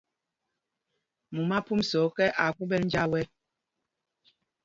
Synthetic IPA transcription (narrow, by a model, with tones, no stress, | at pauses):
mu˨ma˦pu˦msɔ˨˦kɛ˦ʔa˨ku˦bɛ˦ln̩˦d͡ʒa˦wɛ˦